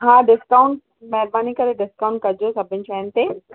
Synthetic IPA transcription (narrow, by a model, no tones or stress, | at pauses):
ɦãːɖɪskaːʊɳʈ | mɛɦɪɾbaːnikɐɾeɖɪskaːʊ̃ɳʈ̚kɐɾd͡ʑosɐbʱɪnɪt͡ɕaːnt̪eː